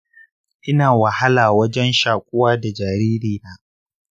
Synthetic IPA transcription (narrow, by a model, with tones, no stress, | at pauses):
ʔɪ˦naː˨wɐ˨ha˦laː˨wɐ˦d͡ʒɛ˦nʃaː˨kʷʼʊ˦waː˦da˨d͡ʒaː˨ɾiː˦ɾiː˦jaː˨ʔ